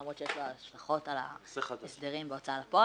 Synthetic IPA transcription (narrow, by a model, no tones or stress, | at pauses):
mʁott͡ʃejeʃloaʃlaχo̞tala̰esd̪eʁimbeot͡saalapo